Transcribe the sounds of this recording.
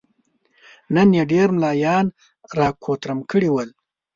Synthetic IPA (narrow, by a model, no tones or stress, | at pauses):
nənjaɖeɾmlɑːjɑːn | ɾɑːkʰot̪ɾəmkʰəɽiwəl